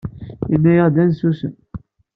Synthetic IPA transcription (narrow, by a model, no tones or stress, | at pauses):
inːæjəʁd̪ænsusən